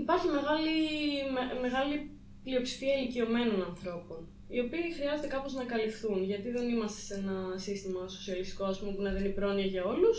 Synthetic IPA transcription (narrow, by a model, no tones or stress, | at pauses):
ipɐɾçime̞ɣɐlimeme̞ɣɐli | plio̞psi̥fiɐilicio̞me̞no̞nɐnθɾo̞po̞n | io̞piːxɾiɐze̞t̪ekɐpo̞znɐkɐlifθunʝɐt̪iðe̞nimɐst̪ese̞nɐsist̪imɐso̞siɐlist̪i̥koɐspumepunɐðenipɾo̞niɐʝɐo̞lus